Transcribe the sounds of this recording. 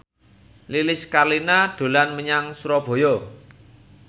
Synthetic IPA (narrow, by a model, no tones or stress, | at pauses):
lilɪskarlinaɖ̪̥o̤lanməɲaŋsuɾɔb̥o̤jɔ